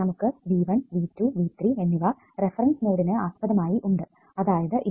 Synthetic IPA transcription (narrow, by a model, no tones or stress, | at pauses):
ɐmukːɨʋiːʋɐnʋiːtːuʋiːt̪rie̞nːiʋɐ | re̞fɐrɐnsnoːɽinɨaːspɐðɐmaːjiʔuɳɖɨ | ɐðaːjɐðɨʔi